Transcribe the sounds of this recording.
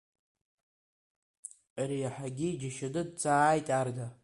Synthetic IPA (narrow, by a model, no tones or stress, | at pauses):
aɾijaħaɡʲid͡ʒaʃadɨd̚t͡sʰʼaːjtʼarda